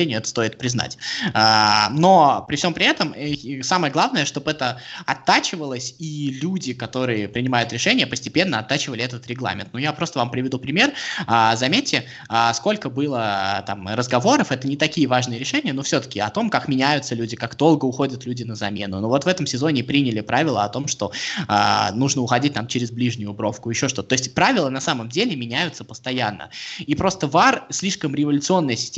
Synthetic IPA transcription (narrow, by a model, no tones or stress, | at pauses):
enʲɪɛt̪ə̥st̪o̞ɪt̪̚pɾʲɪzna̰tʲano̞pɾʲɪfsʲo̞mpɾʲɪɛt̪əmsaməjəɡlˠavnəjəʂt̪o̞bɛt̪əɐt̪ːat͡ɕɪvəlˠəsʲilʲudʲɪkɐt̪o̞ɾɨjɪpɾʲɪnʲɪmajʊt̪ɾʲɪʂɛnʲɪjəpəsʲtʲɪpʲe̞nːəɐt̪ːat͡ɕɪvəlʲɪɛt̪ət̪ɾʲɪɡlˠa̰mʲɪ̰nt̪nujapɾo̞st̪əvampɾʲɪvʲɪd̪upɾʲɪmʲe̞razɐmʲetʲːɪ | asko̞lʲkəbɨlˠət̪amrəzɡɐvo̞ɾəfɛt̪ənʲɪt̪ɐkʲijəvaʐnɨjəɾʲɪʂɛnʲɪjənofsʲo̞t̪ə̥kʲɪɐt̪o̞mkakmʲɪnʲæjʊt̪səlʲudʲɪkakd̪o̞lˠɡəʊxo̞dʲət̪lʲudʲɪnəzɐmʲe̞nʊnovo̞t̪vɛt̪əmsʲɪzo̞nʲɪpɾʲinʲɪlʲɪpɾavʲɪlˠəɐt̪o̞mʂt̪o̞a̰nuʐnəʊxɐdʲit̚ʲt̪amt͡ɕɪɾʲɪzblʲiʐnʲʊjʊbɾo̞fkʊjɪɕːo̞ʂ̬t̪o̞t̪ət̪oɪsʲtʲpɾavʲɪlˠənɐsaməmdʲelʲɪmʲɪnʲæjʊt̪səpəst̪ɐjanːə̰ipɾo̞st̪əvarsʲlʲiʂkəmɾʲɪvəlʲʊt̪sɨo̞nːəjəsʲɪ̥sʲtʲ